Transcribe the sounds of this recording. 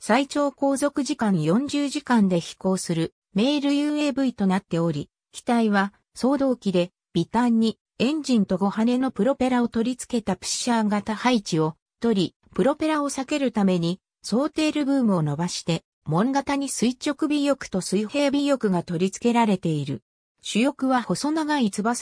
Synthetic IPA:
sait͡ɕo̞ːko̞ːzo̞kɯ̟ʑikãɰjõ̞ɲ̟d͡ʑɨːʑikãnd̪e̞çi̥ko̞ːsɨɾɯ̟ | me̞ːɾɯ̟jɯːe̞ːbɯ̟it̪o̞nat̪ːe̞o̞ɾʲi | kʲi̥t̪aiβa | so̞ːd̪o̞ːkʲid̪e̞ | b̥ʲit̪ãɲ̟ːi | ẽ̞ɲ̟d͡ʑĩnt̪o̞ɡo̞hane̞no̞pɯ̟ɾo̞pe̞ɾao̞t̪o̞ɾʲit͡sɨ̥ke̞t̪apɯ̟̥ɕaɡat̪ahait͡ɕio̞̥t̪o̞ɾʲi | pɯ̟ɾo̞pe̞ɾao̞sake̞ɾɯ̟t̪ame̞ɲ̟i | so̞ːt̪e̞ːɾɯ̟bɯ̟ːmɯ̟o̞no̞baɕi̥t̪e̞ | mõ̞ŋɡat̪aɲ̟isɨit͡ɕo̞kɯ̟bʲijo̞kɯ̟̥t̪o̞sɨihe̞ːbʲijo̞kɯ̟ɡat̪o̞ɾʲit͡sɨ̥ke̞ɾaɾe̞t̪e̞iɾɯ̟ | ɕɨjo̞kɯ̟βaho̞so̞naɡait͡sɨbas

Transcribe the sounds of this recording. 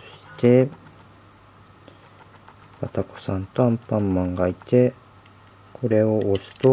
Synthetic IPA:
ɕi̥t̪e̞ | βat̪ako̥sãnt̪o̞ãmpãmːãŋɡait̪e̞ | kʰo̞ɾe̞oʔosɨ̥t̪o

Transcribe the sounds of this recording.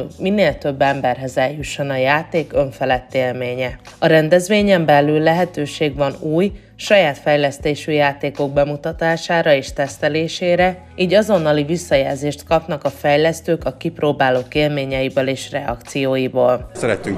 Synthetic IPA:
minːeːlt̪ø̞bːɛmbɛrɦɛzɛljuʃːonɒjaːt̪eːkø̞ɱfɛlɛt̪ːeːlmeːɲɛ | ɒɾɛnd̪ɛzʋeːɲɛmbɛlylːɛɦɛt̪øːʃeːɡvɒnuːj | ʃɒjaːt̪fɛjlɛst̪eːʃyjaːt̪eːko̞ɡ̚bɛmut̪ɒt̪aːʃaːɾɒeːʃt̪ɛst̪ɛleːʃeːɾɛ | iːɟɒzo̞nːɒlivisːɒjɛːlzeːʃt̪kɒpnɒkɒfɛjlɛst̪øːkɒkiproːbaːloːkeːlmeːɲɛjibøleːʃrɛɒ̰kt̪sijoːjiboːlsɛɾɛt̪yŋ

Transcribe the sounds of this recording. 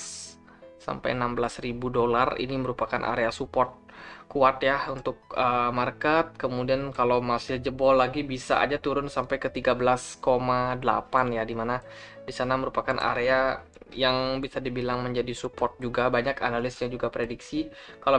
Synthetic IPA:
sa̰mpa̰jənambəlasribudolarḭniməɾupakanʔa̰ɾeasupɔrt̪̚ | kuat̪jahunt̪ʊk̚əmarkət̪̚kəmudiankalowmasɪld͡ʒəbɔlaɡibisa̰ʔa̰d͡ʒat̪uɾʊnsampajkət̪iɡabəlaskomadəla̰panjadimana | disanaməɾupakanʔa̰ɾea | jaŋbisadibilaŋməɲd͡ʒadisupɔrt̪̚d͡ʒuɡabaɲaka̰nalɪsɲad͡ʒuɡapɾediksikalo

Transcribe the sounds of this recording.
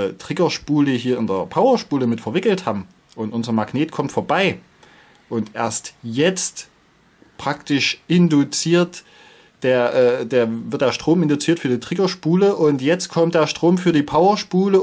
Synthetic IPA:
ətʁ̥ɪɡɐʃpuːləɦiːɐɪndeːɐpʰaʊɐʃpuːləmɪtfɛɐvɪkl̩thaːbm̩ | ʔʊntʔʊnzɐmaɡneːtkʰɔmtfoːɐbaɪ | ʔʊntʔeːɐstjɛt͡st | pʁ̥aktɪʃʔɪndut͡siːɐt | d̥eːɐʔɛːdeːɐvɪɐtd̥eːɐʃtʁ̥oːmɪndʊt͡siːɐtfyːɐdiːtʁ̥ɪɡɐʃpuːləʔʊntjɛt͡st̚kʰɔmt̚d̥eːɐʃtʁ̥oːmfyːɐdiːpʰaʊɐʃpuːlə

